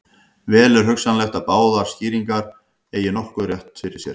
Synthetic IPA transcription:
vɛːlɛɾ̥ɦʏksanlɛxt̪aðpaːwðaɾ̥sciːɾiŋkaɾ̥ | eːjɪnɔhkʏrjɛht̪fɪɾɪ̥sjɛɾ̥

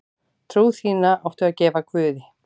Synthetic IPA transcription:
t̪ʰɾuːwθiːnaʔawht̪ʏaðcɛːvakʰvʏːðɪ

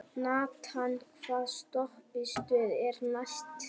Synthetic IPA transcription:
naːkt̪hanːkʰvaːðst̪ɔhpɪst̪œːðɛɾnajst̪

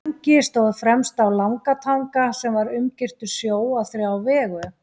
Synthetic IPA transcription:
ŋcɪst̪owðfɾɛmst̪awlawŋkat̪ʰaŋkasɛmvaɾʏmcɪr̥t̪ʏɾ̥sjoːwaθɾiawvɛːɣʏ

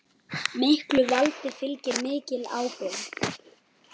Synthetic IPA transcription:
mɪhklʏvalt̪ɪfɪlcɪɾmɪːcɪlaːwkɔwɣ

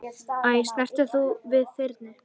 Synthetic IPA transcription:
ajst̪ɛr̥t̪ʏθuvɪðθɪɾt̪nɪ

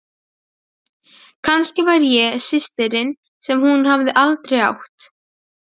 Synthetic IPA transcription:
kʰanscɪvaɾjɛsɪst̪ɪɾɪn | sɛmhunhavðɪʔalt̪ɾeja̰wht̪

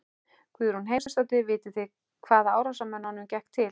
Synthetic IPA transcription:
kʰviːðɛɾhunɦeːjmsɛst̪at̪ɪvɪːt̪ɪθɪ | kʰvaːðaaːwɾasamœnːanʏmcɛhkt̪ʰːɪl

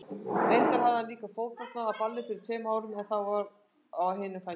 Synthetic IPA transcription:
enk̪aɾ̥ɦavðaliːkafoːwknat̪naðaðpalːɪfɪɾɪɾ̥t̪ʰfɛːmaːwɾʏmɛnθawvaɾ | aɦɪːnːɪfa

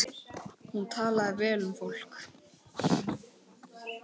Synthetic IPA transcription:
hunt̪ʰaːlaðɪɾvɛːlʏmfowl̥k

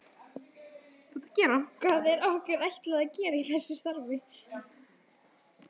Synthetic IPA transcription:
θat̪acɛːɾakʰvaːðɛɾawhkɛɾajht̪lɛaðcɛːɾaiθɛsːɪst̪aɾvɪ

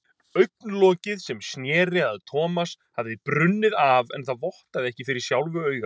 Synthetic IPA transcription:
œɥk̚nlɔːcɪðsɛmsnjɛːɾɪðaðt̪ʰɔːmas | havðɪpɾʏnːɪðavɛ̰nθaðvɔht̪aðɪɛhcɪfɪɾɪɾ̥sjawlvʏœːɥɣa

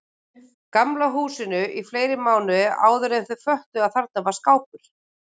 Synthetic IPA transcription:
kamlaɦuːsɪnʏʔifleːjɾɪmaːwnʏa̰ːwðʏɾɛθʏfœht̪ʏaðθaɾ̥t̪navaɾskaːwpʏɾ̥

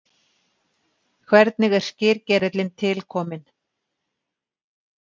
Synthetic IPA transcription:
kʰvɛɾt̪nɪɣɛɾ̥scɪɾcɛɾɪt̪lɪnt̪ʰɪlkʰɔːmɪn

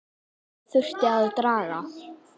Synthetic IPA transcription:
θʏr̥t̪ɪaðt̪ɾaːɾa

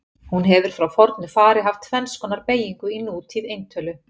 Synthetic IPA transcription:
hunɦɛvʏɾ̥fɾawfɔɾt̪nʏfaːɾɪɦaft̪fɛnskɔnaɾpeːjiŋkʏinːuuːt̪ʰiðejnt̪ʰœːlʏ

